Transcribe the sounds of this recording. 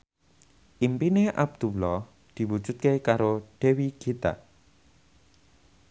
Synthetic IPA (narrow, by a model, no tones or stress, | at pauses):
ʔimpineʔa̰b̚d̪̥ulɔh | d̪̥i̤wud̥d͡ʒ̥ṳt̪̚kekaɾoɖ̥ɛ̤wiɡ̥et̪a̰